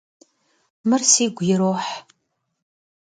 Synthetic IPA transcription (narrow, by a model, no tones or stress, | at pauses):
mɨrsiːɡʷjɪɾoːħ